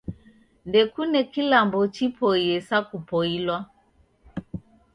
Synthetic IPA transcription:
ndɛkunɛkilambɔt͡ʃipʰɔiɛsakupɔilwa

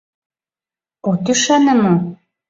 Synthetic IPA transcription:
ot̪yʃænə̆mo

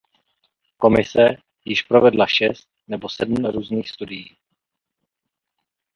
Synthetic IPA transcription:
ko̞mɪsɛ | jɪʃpɾovɛdlaʃɛst̪̚nɛbosɛdm̩ɾuːzniːxst̪udɪjiː

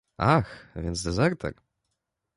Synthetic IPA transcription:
axvʲjɛnt̪zd̪ɛzɛɾt̪ʰɛ̰ɾ

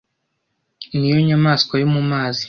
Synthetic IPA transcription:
nijoɲamaːskwajomumaːzi

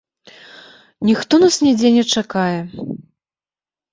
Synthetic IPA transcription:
nʲixt̪ɔnasnʲɛd͡zʲenʲɛt͡ʂakajɛ

